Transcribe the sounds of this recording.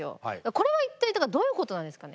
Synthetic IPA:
jo̰id̪akːko̞ɾe̞βait̪ːainãŋkad̪o̞ːjɯ̟ːko̞t̪o̞nãnd̪e̞sɨ̥kane

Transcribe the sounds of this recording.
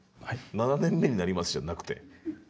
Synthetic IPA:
nananẽ̞mːe̞ɲ̟inaɾʲimasɨ̥ʑanakɯ̥t̪e̞̰

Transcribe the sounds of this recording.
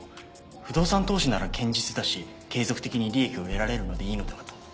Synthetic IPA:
ɸɯ̟d̪o̞ːsãnt̪o̞ːɕinaɾakʰẽ̞ɲ̟d͡ʑit͡sɨd̪aɕi | ke̞ːzo̞kɯ̟̥t̪e̞kʲiɲ̟iɾʲie̞kʲio̞e̞ɾaɾe̞ɾɯ̟no̞d̪e̞iːno̞d̪eat̪o̥

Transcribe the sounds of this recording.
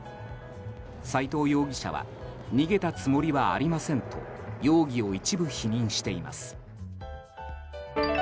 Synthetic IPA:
sait̪o̞ːjo̞ːɡʲiɕa̰βa̰ | ɲ̟iɡe̞t̪at͡sɨmo̞ɾʲiβaa̰ɾʲimasẽ̞nt̪o̞̰ | jo̞ːɡʲio̞it͡ɕibɯ̟çiɲ̟ĩɰ̃ɕi̥t̪e̞ima̰sɨ̥

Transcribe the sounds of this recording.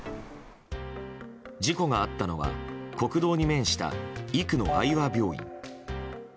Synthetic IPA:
d͡ʑiko̞ɡaat̪ːano̞βa̰ko̞kɯ̟d̪o̞ːɲ̟imẽ̞ɰ̃ɕi̥t̪a̰ikɯ̟no̞aiβabʲjo̞ːḭ̃ŋ

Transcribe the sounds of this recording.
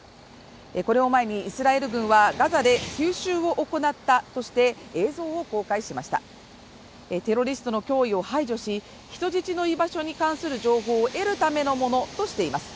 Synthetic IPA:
eko̞ɾe̞o̞mae̞ɲ̟iːsɨɾae̞ɾɯ̟ɡɯ̟̃ɰ̃βaɡazad̪e̞kʲɨːɕɨːo̞ʔoko̞nat̪ːat̪o̞ɕi̥t̪e̞eːzo̞ːoko̞ːkaiɕimaɕi̥t̪a̰ | et̪e̞ɾo̞ɾʲisɨ̥t̪o̞no̞kʲo̞ːio̞haiʑo̞ɕi | çi̥t̪o̞ʑit͡ɕino̞ibaɕo̞ɲ̟ikãɰ̃sɨɾɯ̟ʑo̞ːɦo̞ːʔe̞ɾɯ̟t̪ame̞no̞mo̞no̞t̪o̞ɕi̥t̪e̞imasɨ̥

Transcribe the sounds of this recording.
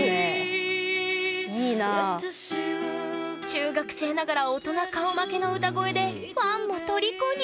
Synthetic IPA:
ne | iːna | t͡ɕɨːɡakɯ̟̥se̞ːnaɡaɾaot̪o̞nakaomake̞no̞ɯ̟t̪aɡo̞e̞d̪e̞ | mamːot̪o̞ɾʲikoɲʲ

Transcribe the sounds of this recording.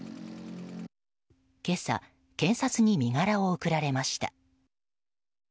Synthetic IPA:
ke̞sa̰ | kẽ̞ɰ̃sat͡sɨɲ̟imʲiɡaɾao̞ɯkɯ̟ɾaɾe̞maɕi̥t̪a̰

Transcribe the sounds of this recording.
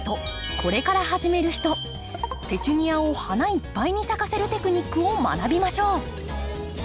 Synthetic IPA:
t̪o̞kʰo̞ɾe̞kaɾaɦaʑime̞ɾɯ̟çi̥t̪o̞ | t̪e̞t͡ɕɨɲ̟iaohanaipːaiɲ̟isakase̞ɾɯ̟t̪e̞kɯ̟ɲ̟ikːɯo̞ma̰nabʲimaɕo̞ː

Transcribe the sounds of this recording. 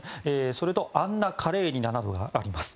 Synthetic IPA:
eːso̞ɾet̪o̞ʔãnːakʰaɾe̞ːɲ̟inanad̪o̞ɡa̰ːɾʲimasɨ̥

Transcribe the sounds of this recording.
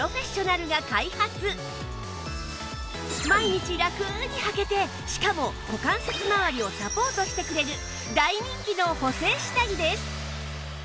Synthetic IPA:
ɾo̞ɸe̞ɕo̞naɾɯ̟ɡakaihat͡sɨ | maiɲ̟it͡ɕiɾakɯɲ̟ihake̞t̪e̞ | ɕi̥kamo̞ | okãɰ̃se̞t͡sɨmaβaɾʲio̞sapo̞ːt̪o̞ɕi̥t̪e̞kɯ̟ɾe̞ɾɯ̟ | d̪aiɲ̟ĩŋkʲino̞ho̞se̞ːɕi̥t̪aɡʲid̪e̞sɨ̥

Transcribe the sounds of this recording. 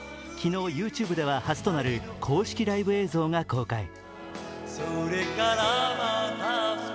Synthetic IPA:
kʲino̞ːjɯ̟ːt͡ɕɨːbɯ̟d̪e̞β̞ahazɨ̥t̪o̞naɾɯ̟kʰo̞ːɕi̥kʲiɾaibɯ̟e̞ːzo̞ːŋako̞ːkai | soɾekaɾamana

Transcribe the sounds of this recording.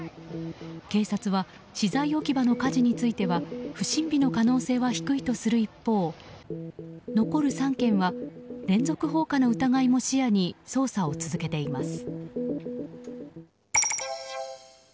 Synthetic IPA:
ke̞ːsat͡sɨβa | ɕizaio̞kʲibano̞kaʑiɲ̟it͡sɨit̪e̞βaɸɯ̟ɕĩmbʲino̞kano̞ːse̞ːβaçi̥kɯ̟it̪o̞sɨɾɯ̟ipːo̞ː | no̞ko̞ɾɯ̟sãŋkẽ̞ɰ̃βaɾẽ̞nd͡zo̞kɯ̟ɦo̞ːkanoɯ̟t̪aɡaimo̞ɕijaɲ̟iso̞ːsao̞t͡sɨzɨke̞t̪e̞imasɨ̥

